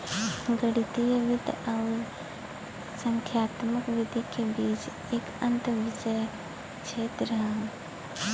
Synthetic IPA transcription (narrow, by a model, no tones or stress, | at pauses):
ɡəɽit̪ijəʋɪd̪ʱaʊ | sə̃ŋkʰjaːt̪məkʋɪd̪ʱikebiːt͡ʃ | eːkə̃nt̪ʋɪd͡ʒəj | t͡ʃʰeːt̪ɾəɦã